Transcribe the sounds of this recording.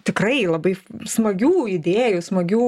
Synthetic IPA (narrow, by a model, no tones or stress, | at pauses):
t̪ʲɪkrɐɪlˠɐbɐɪsmɐɡʲuːɪd̪ʲeːjʊsmɐɡʲuː